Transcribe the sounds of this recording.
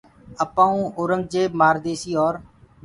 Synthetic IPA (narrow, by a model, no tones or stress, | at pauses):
əpãːũːʔoːɾəŋɡ̚d͡ʒeːmaːɾd̪eːsiːɔːɾ